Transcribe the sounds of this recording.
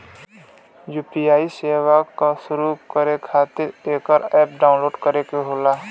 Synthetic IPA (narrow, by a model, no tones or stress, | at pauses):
juːpiaːiseːwakasʊɾukəɾekʰaːt̪ɪɾeːkəɾɛːp̚ɖaːʊ̃nloːɖkəɾekeɦoːlaː